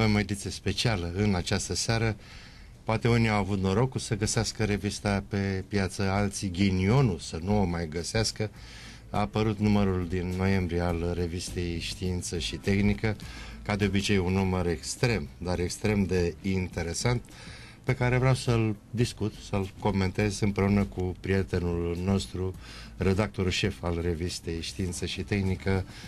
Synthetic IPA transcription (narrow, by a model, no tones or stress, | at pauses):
ave̞moe̞d̪it̪sijespe̞t͡ʃialəɨnat͡ʃast̪əsaɾə | poat̪e̞uniawavut̪no̞ɾo̞kusəɡəseaskəɾe̞vist̪ape̞pjat̪səalt̪siɡʲinio̞nusənuomajɡəseaskə | a̰ːpəɾut̪numəɾuld̪inːo̞je̞mbɾijealre̞vist̪e̞jʃt̪iint̪səʃit̪e̞xnikəkad̪e̞o̞bit͡ʃe̞junuməɾe̞kst̪ɾe̞md̪aɾe̞kst̪ɾe̞md̪e̞int̪e̞ɾe̞sant̪ | pe̞kaɾe̞vɾeawsəld̪iskut̪səlko̞me̞nt̪e̞zɨmpɾe̞unəkupɾije̞t̪e̞nulno̞st̪ɾu | re̞d̪ak̚t̪o̞ɾulʃe̞falre̞vist̪e̞jʃt̪iint̪səʃit̪e̞xnikə